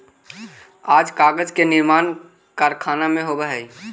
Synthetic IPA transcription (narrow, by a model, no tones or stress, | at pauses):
aːd͡ʒkaɡəd͡ʒkenɪɾmaːn | kaɾkʰaːnamẽɦobɛɦɛj